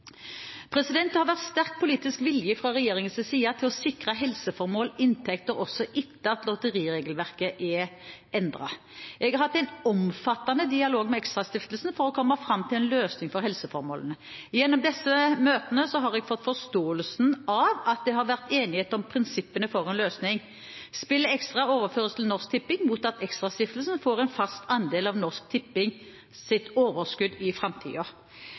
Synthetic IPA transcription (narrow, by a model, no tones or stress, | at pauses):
pʰɾɛsɪd̪ɛnt̪hɑʁʋæʁt̪st̪æʁk̚pʰʊliːt̪ɪskʋɪljəfɾɑʁɛjeːɾɪŋənsəsiːɑt̪ʰɪlɔsɪkʁɑɦɛlsəfɔɾmoːlɪnt̪ʰɛkt̪əɾɔsːɔʔɪt̪ːəɑt̪lɔt̪əʁiːʁeːɡəlʋæʁkəʔɛ | ɛnd̪ʁɑ̰ | ʔɛɡhɑɾhɑt̪ːæɪnɔmfɑt̪ːɑnəd̪ɪɑloːɡmɛɛkst̪ʁɑst̪ɪft̪əlsn̩fɔɾɔkʰɔmːɑfɾɑmːt̪ʰɪlɛnløːsnɪŋfɔɾhɛlsəfɔɾmo̰ːlənə | jɛnːɔmd̪ɛsːəmøːt̪ənəsɔɦɑʁɛɡfɔt̪ːfɔst̪oːəlsn̩ɑʋɑt̪̚d̪ɛɦɑɾʋæʁt̪eːnɪheːt̪ɔmpʰʁɪnsɪpːənəfɔʁɛnløːsnɪŋ | spɪlːəɛkst̪ʁɑoːʋəɾføːʁəlsəl̩nɔʁsk̚t̪ʰɪpːɪŋmuːt̪ɑt̪ɛkst̪ʁɑst̪ɪft̪lsn̩foːʁɛɪnfɑst̪ʰɑnd̪eːlɑʋnɔʁsk̚t̪ʰɪpːɪŋ | sɪt̪oːʋəʁskʉd̪ɪfʁɑmt̪ʰḭːo